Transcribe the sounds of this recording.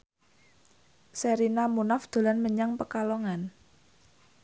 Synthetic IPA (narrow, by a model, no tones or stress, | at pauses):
səɾinamunafd̪̥o̤lanməɲaŋpəkalɔŋan